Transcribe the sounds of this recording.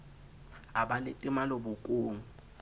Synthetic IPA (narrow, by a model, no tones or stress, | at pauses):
abalɪtʼɪmalobʊkʼuːŋu